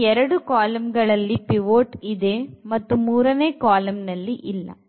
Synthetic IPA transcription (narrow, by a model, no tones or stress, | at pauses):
ɛɾɐɽukaːlɐmɡɐɭɐlːipiʋoːʈid̪eːmɐt̪ːumuːɾɐneːkaːlɐmnɐlːiʔilːɐ̰